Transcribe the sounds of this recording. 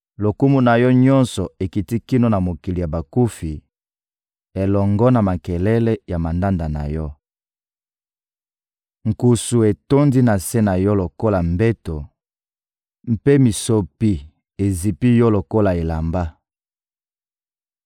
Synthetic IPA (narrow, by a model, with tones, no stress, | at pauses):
lo˨ku˦mu˦na˨jɔ˦ɲɔ̃˦nsɔ˨e˨ki˨ti˦ki˦no˦na˨mo˨ki˨li˨ja˨ba˨ku˦fi˨ | e˨lɔ˨ŋɡɔ˦na˨ma˨kɛ˨lɛ˦lɛ˦ja˨ma˨nda˦nda˨na̰˨jɔ˦ | ŋ˨ku˨su˨e˨to˦ndi˦na˨se˦na˨jɔ˦lo˨ko˦la˨mbe˦to˨ | m̩˦pe˦mi˨so˨pi˦ | e˨zi˨pi˦jɔ˦lo˨ko˦la˨e˨la˨mba˦